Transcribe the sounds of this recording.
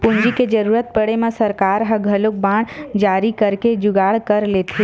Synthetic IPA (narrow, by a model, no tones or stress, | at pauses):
pʊɲd͡ʒiked͡ʒəɾuːɾət̪̚pəɽemẽsəɾkaːɾɦə̃ɡʱəlok̚bãːɽ̃d͡ʒaːɾikəɾked͡ʒʊɡaːɽkəɾleːt̪ʰe